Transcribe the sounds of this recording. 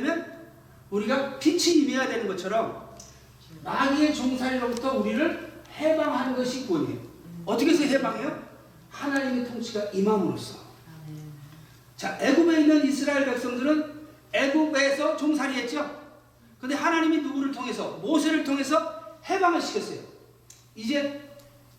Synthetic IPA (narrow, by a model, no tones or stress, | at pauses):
mjʌn | uɾiɡapʰit͡ɕʰiimejadwenɯnɡʌt͡ɕʰʌɾʌm | maɡie̞t͡ɕoŋsʰaɾiɾʌbutʰʌuɾiɾɯɭhe̞baŋɦanɯnɡʌɕʰik͈oiɲḭdʌt͈ʌkʰesʰʌeɦebaŋɦejo | hanaɲimetʰoŋt͡ɕʰiɡaʔimamuɾo̰s͈ʰʌ̥ | t͡ɕae̞ɡube̞inːɯnisʰɯɾaeɭbaɭk̚s͈ʌŋdɯɾɯn | e̞ɡube̞sʰʌt͡ɕoŋsʰaɾiɦe̞t̚t͡ɕ͈o | kɯnde̞hanaɲiminuɡuɾɯɭtʰoŋe̞sʰʌmosʰe̞ɾɯɭtʰoŋe̞sʰʌhe̞baŋɯɭɕʰi̥kʰjʌts͈ʌjo̰ | id͡ʑe̞